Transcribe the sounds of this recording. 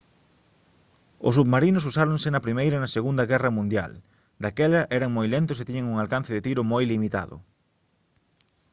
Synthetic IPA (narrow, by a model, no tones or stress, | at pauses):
ʊ̰suβmaɾinʊs̬usaɾõŋsɪnɐpɾimejɾɐnɐseɣund̪ɐɣɛrɐmũnd̪ja̰l | d̪akɛlɐʔɛɾɐŋmojlent̪ʊset̪iɲɐŋuŋalkan̟θɪðet̪iɾʊmojlimit̪a̰ðʊ̰